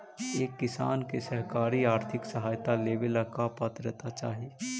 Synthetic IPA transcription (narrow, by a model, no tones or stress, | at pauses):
eːkːɪsa̰ːnkesəɦkaːɾiaːɾt̪ʰɪksəɦaːjt̪aleːʋɪlɐkapət̪ɾət̪at͡ʃaːɦi